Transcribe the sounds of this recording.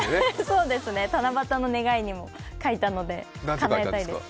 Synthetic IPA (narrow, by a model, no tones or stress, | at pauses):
so̞ːd̪e̞sɨne̞t̪anabat̪ano̞ne̞ɡaiɲ̟imo̞ | kait̪ano̞d̪e̞ | kanaeaid̪e̥